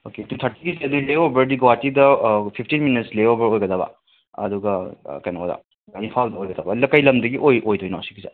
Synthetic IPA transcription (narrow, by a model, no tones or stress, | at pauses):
oketut̪ʰɐɾtiɡiseɐduleobɐɾdiɡɐwatidɐpʰip̚ʰtinminitsleobɐɾojɡɐdɐbɐ̰ | ɐ̰duɡɐkɐjnadɐ̰ | ainpʰaldɐojɡɐdɐbɐlɐkɐjlɐmdɐɡiʔojʔojtʰojnawsi̥ɡiza̰